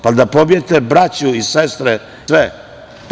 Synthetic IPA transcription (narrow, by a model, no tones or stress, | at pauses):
pad̪apobijet̪ebɾat͡ɕuisest̪ɾe | ʋe